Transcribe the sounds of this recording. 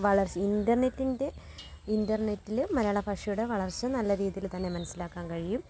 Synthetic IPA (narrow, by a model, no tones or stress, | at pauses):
ʋɐɭɐrt͡ɕindɐrne̞tːinde̞ | indɐrne̞tːilmɐɾɐaːɭɐpʰɐʂɐjuɽe̞ʋɐɭɐrt͡ɕːɨnɐlːɐɾiːðijilt̪ɐnːe̞mɐnɐsilaːkːaːnkɐɻijum